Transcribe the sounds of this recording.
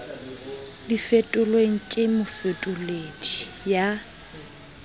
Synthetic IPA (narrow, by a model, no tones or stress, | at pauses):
difetʼʊlweŋ̩kʼɪmʊfetʼʊlet͡ʃʼi̥ | ja